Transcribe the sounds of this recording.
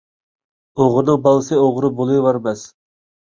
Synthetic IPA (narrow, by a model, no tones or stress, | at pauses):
oʁɾnɨŋbɑlˠɨsɨoʁɾɨbolˠujwɑɾmɛs